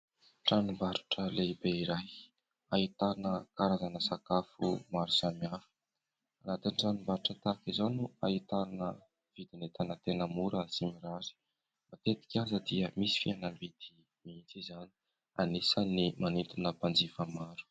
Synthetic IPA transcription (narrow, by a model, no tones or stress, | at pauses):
ʈ͡ʂanumbaɾu̥ʈ͡ʂəleibeiɾaj | ait̪anəkaɾazanəsakafṵmaɾusamjafə̥ | anat̪inʈ͡ʂanumbaɾuʈ͡ʂət̪akizanuait̪aɾanə | v̥id̪inet̪anət̪enəmuɾəsimiɾazi̥ | mat̪et̪i̥kʲazəd̪iəmisi̥fianəmbid̪̥i | miint͡sizani | a̰nisənimanit̪unəpand͡zifəmaɾu̥